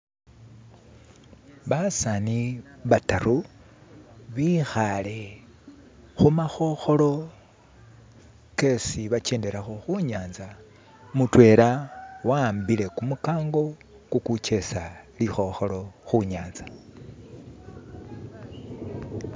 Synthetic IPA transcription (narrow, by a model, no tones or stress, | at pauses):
βasaniβataɾu | βixale | xumaxo̞xo̞lo̞ | ke̞siβat͡ʃe̞ːnde̞ɾaxo̞xuɲaːnza | mutwe̞ːɾawaːmbile̞kumukaːŋɡo̞ | kukut͡ʃe̞salixo̞xo̞lo̞xuɲaːnza